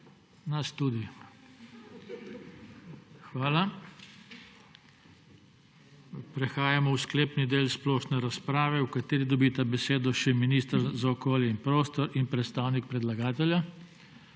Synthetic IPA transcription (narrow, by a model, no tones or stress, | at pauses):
nast̪uːd̪i | xʋaːla | pɾɛxaːjamɔwskleːpnid̪eːlsplɔːʃnɛɾaspɾaːʋɛwkat̪eːɾid̪ɔbit̪abɛseːd̪ɔʃɛminiːst̪əɾzaɔkoːljɛinpɾoːst̪ɔɾinpɾɛt̪st̪aːwnik̚pɾɛd̪laɡaːt̪ɛlʲja